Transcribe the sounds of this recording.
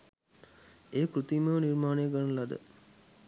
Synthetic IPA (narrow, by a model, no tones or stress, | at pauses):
eːkɾut̪imɐʋniɾmaːneɡɐnnlɐd̪ə̰